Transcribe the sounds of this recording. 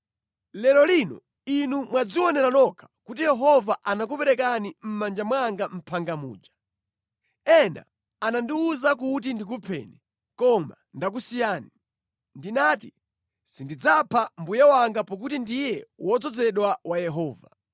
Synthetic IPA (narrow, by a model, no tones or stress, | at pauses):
lɛlɔlinɔ̰ | inumwad͡ziwɔnɛɾanɔkʰḁkutijɛɦɔvaʔanak̬upɛɾɛk̬anim̩mand͡ʒamwaŋɡam̩pʰaŋɡamṵːd͡ʒa | ɛna̰ | anandiuzakutindik̬upʰɛ̰nɛ | kɔma̰ | ndak̬usijaːni | ndinatḭ | sindid͡zapʰambujawaŋɡapɔk̬utindijɛwɔd͡zɔd͡zɛɗwawajɛɦɔːva̰